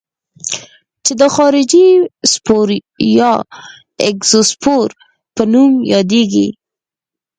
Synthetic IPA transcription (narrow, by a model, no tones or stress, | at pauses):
t͡ʃed̪əxɑɾɪd͡ʒispoɾ | jɑ | ɪkz̥ospoɾ | pənumjɑd̪eɡḭ